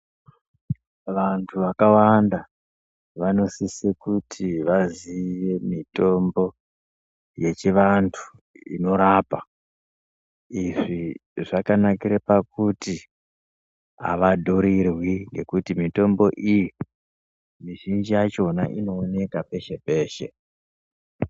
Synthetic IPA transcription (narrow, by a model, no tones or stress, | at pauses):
ʋantʰuʋakawanda | ʋano̞sisekutʰiʋaziʋe̞mito̞mbo̞ | je̞t͡ʃiʋantʰu̥ | ḭno̞ɾapa | iʐiʐakanakiɾepakuti | a̰ʋadʱoɾirwiŋɡe̞kutimito̞mbo̞ʔiji | miʒind͡ʒijat͡ʃo̞na̰ʔino̞ːne̞kape̞ʃe̞pe̞ːʃe̞̰